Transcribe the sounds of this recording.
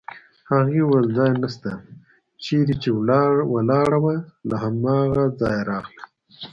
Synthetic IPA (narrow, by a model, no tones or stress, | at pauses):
haɣiwəld͡zɑjnast̪a | t͡ʃeɾit͡ʃewalɑɽawəlaɦamɑɣad͡zɑjɾɑːxla